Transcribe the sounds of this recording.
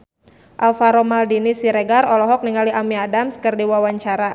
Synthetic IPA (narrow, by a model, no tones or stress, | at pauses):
ʔalfaɾɔmaldinisiɾeɡarɔlɔɦɔk̚niŋaliʔamiadamskərdiwawaɲt͡ʃaɾa